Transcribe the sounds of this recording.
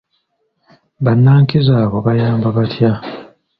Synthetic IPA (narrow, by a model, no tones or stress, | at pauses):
βanːaːŋkizaːβoβajaːmbaβatʰja